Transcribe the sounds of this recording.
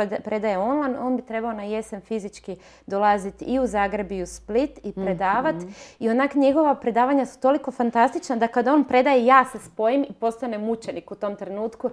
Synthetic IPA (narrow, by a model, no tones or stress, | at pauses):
pɾe̞d̪ajeo̞nlˠajno̞ːnbit̪ɾe̞baonaje̞se̞nfizit͡ʃki | d̪olˠazit̪iuzaːɡɾe̞biusplit̪ipɾe̞d̪aːʋat̪ionakɲe̞ɡo̞ʋapɾe̞d̪aːʋaɲasu̥t̪o̞liko̞fant̪ast̪it͡ʃnad̪akad̪o̞ːnpɾe̞d̪ajejaːse̞spo̞jimipo̞st̪ane̞mut͡ʃe̞nikut̪o̞mt̪ɾe̞nuːt̪ku